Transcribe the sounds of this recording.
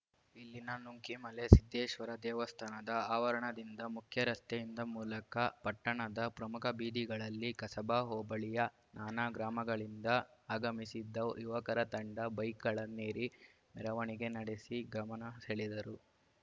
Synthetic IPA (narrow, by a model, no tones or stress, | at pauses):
ilːinɐnuŋkimɐlesid̪ːeːʃʋɐɾɐd̪ɛːʋɐst̪ʰaːnɐd̪ɐaːʋɐɾɐɳɐd̪ind̪ɐmukʰjɐɾɐst̪ejind̪ɐmuːlɐkɐpɐʈːɐɳɐd̪ɐpɾɐmukʰɐbiːd̪iɡɐɭɐlːikɐsɐbaːɦɔːbɐɭijɐ | nʔaːnaːɡɾaːmɐɡɐɭind̪ɐaːɡɐmisid̪ːɐjuʋɐkɐɾɐt̪ɐɳɖɐbɐjkɐɭɐneːɾi | mɛɾɐʋɐɳiɡe̞nɐɽe̞siɡɾɐmɐnɐsɐɭid̪ɐɾu